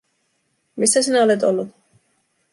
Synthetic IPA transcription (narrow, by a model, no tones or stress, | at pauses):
mist̪ʰɛsinalɛt̪ʼɔlɔt̪